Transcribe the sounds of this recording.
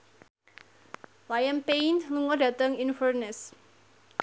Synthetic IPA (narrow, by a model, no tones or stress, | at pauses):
lajənpejnluŋɔda̤t̪əŋinfərnɛs